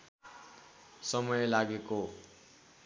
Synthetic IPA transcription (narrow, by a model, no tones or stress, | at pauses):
sʌmʌjlaɡeko